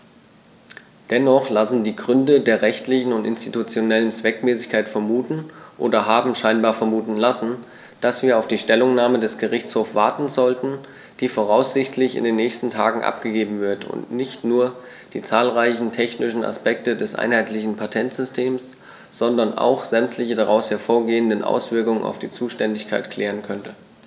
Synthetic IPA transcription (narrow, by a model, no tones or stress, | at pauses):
d̥ɛnɔχlasn̩diːɡʁʏndədeːɐʁɛçtlɪçn̩ʊntɪnstitut͡sjonɛlənt͡sv̥ɛkmɛːsɪçkʰaɪtfɛɐmuːtn̩ʔo̰ːdɐɦaːbm̩ʃaɪnbaːɐfɛɐmuːtn̩lasn̩ | d̥asv̥iːɐaʊfd̥iːʃtɛlʊŋnaːmədɛsɡ̥əʁɪçt͡shoːfsv̥aɐtn̩zɔltn̩ | d̥iːfoʁaʊsz̥ɪçtʰlɪçɪ̰ndeːnːɛːçstn̩tʰa̰ːɡŋ̩ʔa̰p̚ɡ̥əɡeːbm̩vɪɐtʰʊ̰ntnɪçtnuːɐ | d̥iːt͡saːlʁaɪçn̩tʰɛçnɪʃn̩a̰spɛk̚tədɛsʔa̰ɪnhaɪtlɪçn̩pʰatʰɛntz̥ʏstʰeːms | z̥ɔndɐnʔa̰ʊxz̥ɛmtʰlɪçədaʁaʊshɛɐfoːɐɡeːəndənʔa̰ʊsv̥ɪɐkʊŋəna̰ʊfd̥iːt͡suːʃtɛndɪçkʰaɪtkʰl̥ɛːʁ̞ənkʰœntə